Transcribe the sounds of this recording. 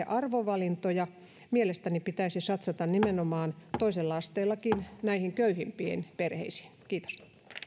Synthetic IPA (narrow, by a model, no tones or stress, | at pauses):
eʔɑrʋoʋɑlint̪ojɑ | mielest̪ænipit̪æisisɑt̪sɑt̪ɑnnimenomɑːnt̪oiselːɑɑst̪eːlˑːɑkinnæihiŋkøyhimpiḛnperhḛisi̥ːnkiːt̪o̥s